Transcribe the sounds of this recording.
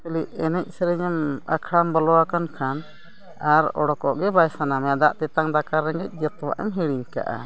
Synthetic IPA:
kəliʔɛnɛc̚ˀsɛɾɛɲama̰kʰɽambɔlɔwakankʰan | aɾɔɽɔkɔʔɡɛbajsanamɛjad̪aʔt̪ɛt̪aŋd̪akʰaɾːɛŋɡɛc̚ˀd͡ʒət̪wa̰ʔɛ̰mɦɛɽiɲka̰ʔa̰

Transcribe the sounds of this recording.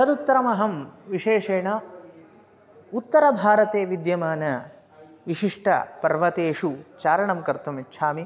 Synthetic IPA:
sɐd̪ut̪ːɐɾɐmɐɦɐmʋiʂeːʂeːɳɐ | ut̪ːɐɾɐbʱaːɾɐt̪eːʋid̪jɐmaːnɐ | ʋiʂiʂʈʰɐ̰pɐɾʋɐt̪eːʂut͡ʃaːɾɐɳɐmkɐɾt̪umitːʃʰaːmi

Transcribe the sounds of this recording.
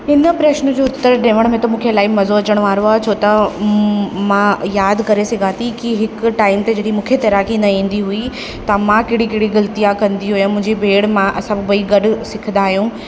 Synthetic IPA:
ɪnə̆pɾeːʃnʊd͡ʑoːʊt̪ːəɾɖẽːʋəɽ̃mẽt̪ɐmũːkʰelaːɪmɐzoɐt͡ɕəɽ̃ʋaːɾoaːt͡ɕʰoːt̪ɐ | mãːjaːd̪ʱkɐɾesɐɡʱaːt̪ʰikiɦɪkʈaːɪmt̪ed͡ʑɐɗimũːkʰet̪ɐɾaːkinɐĩːn̆d̪iɦui | t̪ɐmãkɪɽikɐɽiɡɐlt̪ijakɐ̃nd̪iɦujamʊ̃ɦɪ̃ɲd͡ʑibʱeːɽmãʔɐsãbɪbɐiɡɐɖʊ̆sɪkʰənd̪aːɦijũː

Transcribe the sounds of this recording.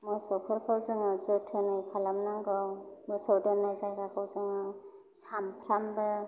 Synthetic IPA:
mɔjsɔpʰɯɾkʰawzɯŋɯzɯtʰɯnɯjpʰalamnaŋɡɯwmɔjsɔwdenːajzajɡakʰawzɯŋɯ | sampʰɾambɯ

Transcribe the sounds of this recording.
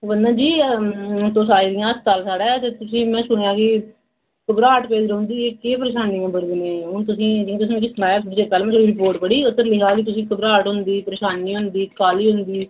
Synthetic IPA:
bənd̪ãːd͡ʒiː | t̪oːsaːiːd̪ɪjãːəst̪aːlsaːɽɛːt̪eːt̪ʊsĩːmɛ̃ːsʊɳejãːkɪ | kəbɾaːʈpeːd͡ʒɾʊ̃nd̪iːeːkeːpəɾeːʃaːnːiːãːbəɽd̪eːneːɦʊɳt̪ʊsĩːt̪ʊsĩːkːsmaːjpd͡ʒeːkaːlmɛ̃ːsoɽiːɾɪpoːɾʈpəɽiːʊt̪ːəɾlɪkʰaːkɪt̪ʊsĩːkəbɾaːʈɦʊ̃nd̪iːpəɾeːʃaːnːiːɦʊ̃nd̪iːkaːliːɦʊnd̪iː

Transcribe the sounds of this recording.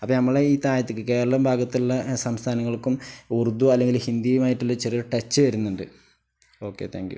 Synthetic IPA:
ɐpːoːnɐmːɐɭeiːt̪aːjɐt̪ːikːɨke̞ːɾɐɭɐmbʱaːɡɐt̪ːiluɭːɐsɐmst̪ʰaːnɐŋːɐɭkːumurud̪ːuɐlːe̞ŋɡilhind̪ijumaːjiʈːulːot͡ɕerijɐʈet͡ɕːɨʋɐɾunːuɳɖɨ | o̞ːkːe̞̰t̪ʰa̰ːŋkjṵ

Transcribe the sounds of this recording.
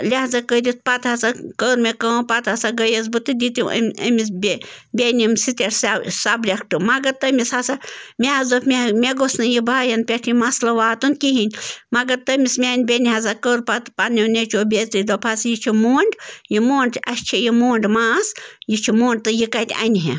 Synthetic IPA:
lʲaɦzɐkəd̪ʲit̪̚pɐt̪hɐsakəːɾmekəːpɐt̪hasaɡɐjɐzbɨt̪ɨd̪ʲit̪ḭmɐ̰misbebʲenʲimsit̪eɾssɐbɾʲɐkʰʈɨmɐɡɐt̪ɐmishasamʲeɐzɐfmʲemʲeɡosnɨjibaːjɐnpʲeʈʰimɐslɐʋaːt̪unkiɦinʲmɐɡɐɾt̪ɐmʲismʲeːnʲbʲeniɦɐzakəɾpat̪paninʲet͡ʃʰoːbʲezid̪ɐpʰasjit͡ʃʰimoːɳɖjimoːɳɖɐsʲt͡ʃʰijimoːɳɖmaːsjit͡ʃʰimoːɳɖ̚t̪ɨjikat̪ʲa̰nʲiɦḛ

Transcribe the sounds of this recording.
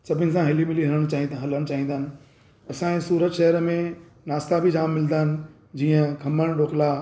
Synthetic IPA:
sɐbʱɪnɪ̆sãɦɪlimɪliɦɐɾəɽ̃t͡ɕaːɦĩɦɐləɽ̃t͡ɕaːɦĩːnd̪aːɦɪnɪ̆ | ɐsãsuːɾətʃɐɦəɾmẽ | naːst̪abʱid͡ʑaːmːɪlnd̪aːɦɪnɪ̆ | d͡ʑiːə̃kʰɐməɽ̃ɗoːkla

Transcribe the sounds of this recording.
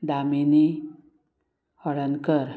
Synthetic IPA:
d̪amini | hɔɽənkəɾ

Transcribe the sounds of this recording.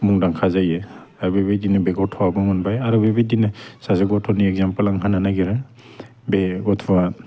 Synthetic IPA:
muŋdaŋkʰazaje | aɾubebedinɯbeɡɔtʰɔwabɯŋɔnbajaɾubebejdinɯsazeɡɔtʰɔniɛkzampalaŋɦananaɡiɾɯ | beɡɔtʰɔwa

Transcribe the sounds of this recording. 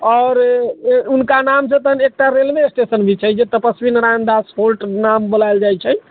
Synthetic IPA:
ɔːɾ | unkanams̬ẽt̪ənek̚ʈaɾelbesʈesənbʱit͡ʃʰɛd͡ʒet̪əpəsbinɾand̪asholʈnambolajld͡ʒajt͡ʃʰɛ

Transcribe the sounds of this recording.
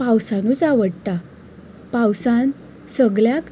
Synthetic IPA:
pawsanuːt͡saʋəɽt̪a | pawsan | səɡɭjak

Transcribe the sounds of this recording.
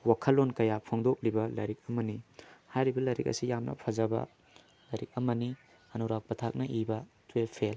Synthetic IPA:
wakʰɐlːonkɐjapʰoŋdok̚libɐlɐ̰ɾik̚ɐmɐnihajɾibɐlɐɾḭk̚ɐ̰sijamnʔɐ̰pʰɐzɐbɐ̰ | lɐɾik̚ɐmɐni | ɐnuwɾak̚pɐtʰak̚nɐʔibɐ | twepʰel

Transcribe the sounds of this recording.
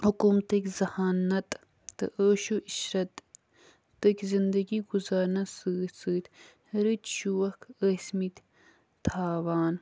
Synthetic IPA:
hukumt̪ɐkʲzɐhaːnɐt̪ː | ɨ̰ʔəːʃuʔiʃɾɐt̪ː | ɐkʲzind̪ɐɡiɡuzaːɾnɐsɨːsɨːt̪ | ɾɨt̪ʃuwɐkʰəsmit̪ | t̪ʰaːʋaːn

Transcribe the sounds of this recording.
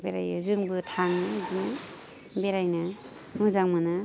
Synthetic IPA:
beɾa̰jzɯŋbɯtʰaŋnadina | beɾajna | mɯzaŋmana

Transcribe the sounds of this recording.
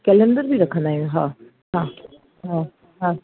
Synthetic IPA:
kɛlənɖəɾbʱiːɾəkʰːnaːjũɦãː | ɦãː | ɦãː | ɦãː

